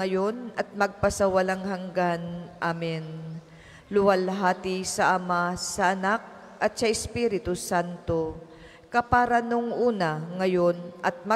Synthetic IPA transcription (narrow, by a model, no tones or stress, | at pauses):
ɐjo̞nɐt̪̚mɐɡ̚pɐsɐwɐlaŋhɐŋɡanʔamɪn | lʊwalɦaːt̪ɪsɐʔɐmasɐʔɐnak̚ | ʔɐt̪̚sɐʔɪspiːɾɪt̪ʊsant̪o̞ | kɐpaɾɐnoŋʔuːnaŋɐjo̞nʔɐt̪̚mɐ